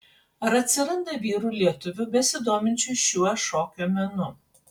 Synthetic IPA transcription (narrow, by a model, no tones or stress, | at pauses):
ɐɾɐt̪ʲsʲɪɾɐnd̪ɐʋʲiːɾuːlʲiɛt̪ʊʋʲʊbʲɛsʲɪd̪oːmʲɪnʲt͡ʃʲʊjʃʲuɔʃoːkʲomʲɛnʊ